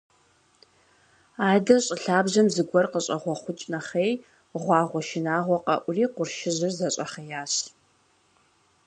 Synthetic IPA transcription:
aːdɐɕʼɪɬaːbʑɐmzɨɡʷɔrqəɕʼɐʁʷɔχʷʊt͡ʃʼnɐχej | ʁʷɑːʁʷɔʃɪnaːʁʷɔqɐ̰ʔʷʊriːqʷʊrʃɪʑɨrzɐɕʼɐχejaːɕ

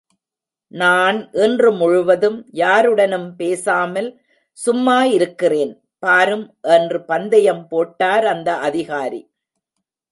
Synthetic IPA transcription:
naːnʔɪndrɯmʊɻʊʋɐðɯmjaːɾɯɽɐnɯmpeːsaːmɐl | sʊmːaːjɪɾɯkːɪreːn | paːɾɯmʔɛndrɯpɐnd̪ɐjɐmpoːʈːaːɾɐnd̪ɐʔɐðɪɣaːɾḭ

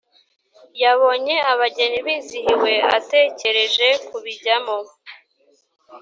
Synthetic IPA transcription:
jaβo̞ɲe̞aβaɟe̞niβiːzihiwe̞a̰te̞ːce̞ɾe̞ʒe̞kuβiɟamo

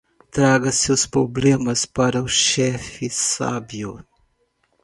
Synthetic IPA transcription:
t̪ɾaɡɐsewspɾoblẽmɐspaɾɐʊʃɛfɪsa̰bjʊ

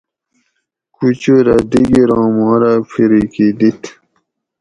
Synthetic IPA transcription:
kut͡ɕoɾad̪iɡiɾɑ̃ːmɑ̃ːɾapʰiɾikid̪it̪ʰ

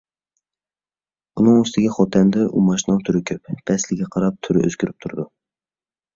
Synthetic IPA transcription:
unɨŋyst̪ɪɡʲɛχɔt̪ʰɛnd̪ɛʔumɑʃinɑlˠt̪ʰyɾɪkʲʰøpb̥ɛslɪɡʲɛqʰɑɾɑp̚t̪ʰyɾɪ̰ʔø̰z̥kʲʰyɾyp̚t̪ʰuɾɨd̪u

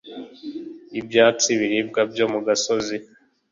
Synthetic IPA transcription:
ibjaːt͡siβiɾibɡabjoːmuɡasozi

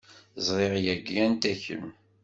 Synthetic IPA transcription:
zˤɾˤeʁjæɡːænt̪æçə̰m

